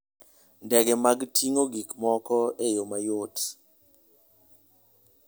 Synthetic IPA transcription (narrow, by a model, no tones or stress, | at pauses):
ndɛɡɛmaɡtʰiŋoɡikmɔkɔejomajot